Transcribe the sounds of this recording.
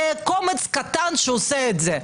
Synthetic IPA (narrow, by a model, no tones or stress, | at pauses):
komet͡skat̪anʃeoseːtze